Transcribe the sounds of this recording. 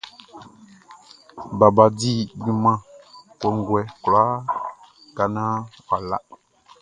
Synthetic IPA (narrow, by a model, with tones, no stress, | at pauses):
ba˨ba˨di˦˨ɡĩ˦mã˦˨kɔ˨ŋ˨ɡwɛ˨ku˨la˦ | ka˨nã˦fa˨la̰˦